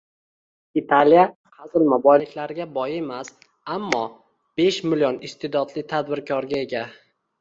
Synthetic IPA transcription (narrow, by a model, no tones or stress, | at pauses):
it̪ʰalja | qʰazɪlmabɒjɪkʲlaɾɪɡʲabɒjemas | amːɒ | b̥e̞ʃmɪljɒnɪst̪ʰɪd̪ɒd̪lɪt̪ʰad̪bɪɾkʲʰɒɾɡʲae̞ɡʲa